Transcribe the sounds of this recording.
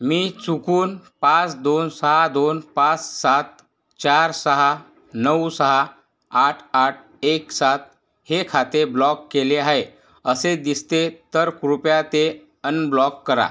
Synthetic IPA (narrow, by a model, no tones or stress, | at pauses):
miːt͡sukuːnpãt͡sd̪onsəɦad̪onpãt͡ssat̪ | t͡ɕaɾsəɦa | nəwsəɦaː | ʈʰaʈ̚ʰ | eksat̪̚ | hekʰat̪eblɔkːeleaɦe | əsed̪ist̪et̪əɾkɾupjat̪e | ənblɔkːəɾa̰